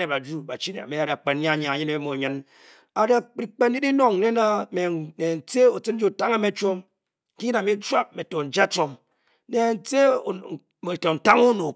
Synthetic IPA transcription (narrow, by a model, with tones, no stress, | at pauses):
e˨pa˨d͡ʒu˦ba˨t͡ʃi˦ne˨a̰˨me˦a˦ɾi˨a˨k͡pe˨n˦ɲa˦˨ɲa˨a˨ɲi˦ne˦mo˨ɲɨ˦n | a˨ɾa˨ɾi˨k͡pe˦n˦i˦di˦no˦ŋ̩˨ne˦na˦me˨ne˨n̩˨t͡se˦o˨t͡sɨ˦n˦d͡ʒo˦˨ta˦ŋa˦me˦t͡ʃo˦m | ki˦ɲi˦na˨me˦t͡ʃʷa˦p̚me˨to˨n̩˨d͡ʒa˦t͡ʃo˦m | ne˨n̩˦˨˦t͡se˦˨ | me˨to˨n̩˨ta˦ŋo˦no˨